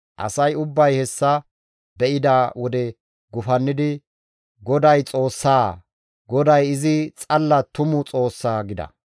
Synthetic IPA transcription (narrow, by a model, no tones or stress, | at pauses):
ʔɐ̰sɐjʊbːɐjhɛsːɐ | bɛʔɪd̪aːwɔd̪ɛ | ɡʊfɐnːɪd̪ɪ | ɡɔd̪ɐjt͡sʼo̞ːsːaː | ɡɔd̪ɐjɪzɪt͡sʼɐlːɐt̪ʊmʊt͡sʼo̞ːsːaːɡɪd̪ɐ̰